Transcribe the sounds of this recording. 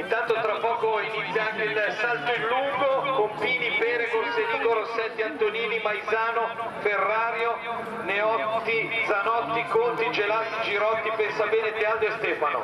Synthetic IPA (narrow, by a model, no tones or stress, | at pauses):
int̪ant̪ot̪ɾapːɔːkoinit̪sːjaaŋkeilsalt̪oinːuŋɡokompiːnipɛːɾekonseliːɡoɾosɛt̪ːiant̪oniːnipajzaːnoferːaːɾjo | neɔt̪ːid̪zanɔt̪ːikont̪id͡ʒelasid͡ʒiɾɔt̪ːipɛnsabɛːnet̪eand̪oest̪ɛːfano̰